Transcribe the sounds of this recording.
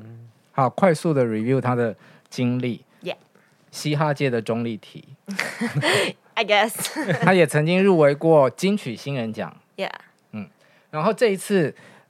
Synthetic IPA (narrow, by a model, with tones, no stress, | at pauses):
ha˨˩ʊkʰwa˥˧ɪsu˥˩d̪ə˩ɹi˨˩vju˥˧t̪ʰa˥d̪ə˨ | t͡ɕi˦ŋli˥˩˨ | j | ɕi˥xa˥˧t͡ɕjɛ˥˩d̪ə˩ʈ͡ʂʊ˥ŋli˥˩t̪ʰḭ˨˩˦ | aɪɡɛsʰa˥jɛ˨˩t͡sʰɤ˧˦ŋt͡ɕi˦ŋɻu˥˩we˧˥ɪkwɔ˥˨˩t͡ɕi˥ŋt͡ɕʰy˨˩ɕi˥nɻə˧˦nt͡ɕjɑ̰˨˩˦ŋ | ja̰ | n̩˥˩ | ɻa˧˦nxo˥˧ʊʈ͡ʂɤ˥˧i˧˥t͡s̩ʰ˥˩